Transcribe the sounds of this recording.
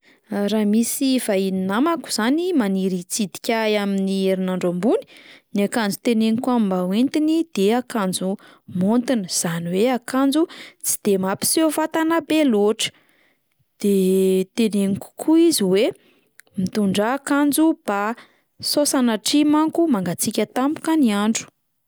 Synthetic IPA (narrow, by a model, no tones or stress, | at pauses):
raːmisivaininamaku̥z̥animaniɾit͡sid̪i̥kʲajaminieɾinaɳɖ͡ʐombuni̥niakand͡zut̪eneŋikuammbawent̪inid̪̥eakand͡zu | mont̪inəz̥aniweakand͡zut͡si̥d̪̥emapi̥sefat̪anabeloʈ͡ʂə̥ | d̪̥et̪eneŋiku̥kʰuiziwe | mit̪uɳɖ͡ʐaːkand͡zub̥a | sosanaʈ͡ʂimaŋkumaŋɡat͡sikʲət̪ampu̥kaniaɳɖ͡ʐu̥